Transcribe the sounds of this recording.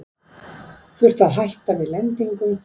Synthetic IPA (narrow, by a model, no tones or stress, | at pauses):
θʏr̥t̪aðɦajht̪avɪðlɛnt̪iŋkʏm